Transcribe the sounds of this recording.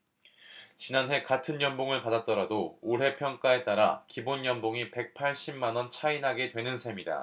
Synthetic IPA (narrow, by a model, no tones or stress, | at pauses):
t͡ɕinanɦe̞katʰɯnjʌmboŋɯɭpadat̚t͈ʌɾadooɭɦe̞pʰjʌŋk͈ae̞t͈aɾa̰kibonjʌnboŋipe̞k̚pʰaɭɕ͈imːanwʌnt͡ɕʰainɦaɡe̞dwe̞nɯnsʰe̞mida̰